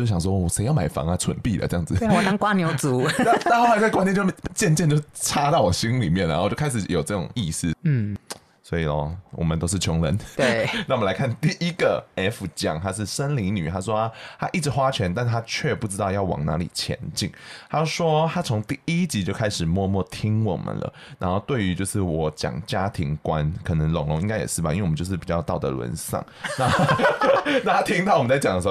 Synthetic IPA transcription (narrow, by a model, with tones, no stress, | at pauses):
o˥˩ʊɕjɑ˨˩ŋʂ̬wɔ˥˩ɔ˨˩ʂe˧˥ɪjɑ˥˩ʊma˨˩ɪfɑ̰˧˥ŋɐ˦t͡sʰwə̰˧˦npi˥˨lə̰˨˩ʈ͡ʂɤ˥˧jɑ˥˩ŋd͡zɨ˨˩ɔ˨˩na˧˥˦ŋkwa˥njo˧˥ʊt͡su˧˨˥na˥˩ta˥˧xa˧˥t͡ska˥nt̪t͡ɕt͡ɕjɛ˥˧nt͡ɕjɛ˥˧nt͡ɕo˥˧˩ʈ͡ʂʰa˦˥t̪ɑ˥˩ʊwɔ˨˩ɕi˥ŋli˨˩mjɛ˥˩nə̰˨˩t͡ɕo˥˩kʰa˥ʂɻ̩˨˩jo˨˩ʊʈ͡ʂɤ˥˩ʈ͡ʂʊ̰˨˩ŋi˥˧s̩˥˩˥ | swɔ˧˥i˨ɔ̰˨˦wʔɔ̰˨˩mə˦nt̪o˥ʊʂɻ̩˥˩t͡ɕʰjɔ˧˥ŋlə˧˦nte˥˩n˥˩wmə˦la˧˦ɪkʰa˥˧nt̪i˥˨˩ʔi˦ɡə˨ɛ˥fu˨t͡ɕjɑ̰˨˩ŋt̪ʰa˥ʂ̬ɻ̩˥˩ʂə˦nli˧˥ny̰˨˩t̪ʰa˦ʂwɔ˥a˥˧t̪ʰa˦ʔi˥˩ʈ͡ʂɻ̩˧˥xwa˦˥t͡ɕʰɥɛ˧˦nt̪a˥˩nt̪ʰa˥t͡ɕʰɥɛ˥˧pu˥˩ʈ͡ʂɻ̩˥t̪ɑ˥˧ʊjɑ˥˩ʊwɑ̰˨˩ŋna̰˧˦˥lḭ˨˩t͡ɕʰjɛ̰˧˦nt͡ɕḭ˥˩ŋta˥ʂwɔ˥t̪ʰa˥t͡sʰo˧˥ŋt̪i˥˨i˦t͡ɕi˧˥t͡ɕjo˥˩ʊkʰa˥ɪʂɻ̩˨˩mwɔ˥˧mwɔ˥˩t̪ʰi˥ŋwɔ̰˨˩mə̰˨nlə̰˦na˧˥nxo˥˧ʊt̪we˥˩ɪy˧˦t͡ɕjo˥˧ʊʂɻ̩˥˩wɔ˨˩t͡ɕjɑ̰˨˩ŋt͡ɕja˦˥t̪ʰi˧˥ŋkwa˦nkʰɤ˨˩nə˧˦ŋlʊ˨˦ŋlʊ˧˦ŋi˥ŋka˥ɪjɛ̰˨˩ʂɻ̩˥˩ba̰˨i˥we˨˩˨t͡ɕjʊʂ̬̩˥˩pi˨˩t͡ɕjɑ˥˧ʊt̪ɑ˥˩ʊd̪ə̰˨˩lwə̰˧˦nsɑ̰˥˩ŋna˥˧ | na˥˧˩t̪a˥t̪ʰi˥ŋt̪ɑ˥˩ʊwmə˦nt͡sa˥˩t͡ɕɑ˨˩ŋd̪ə˩ʂ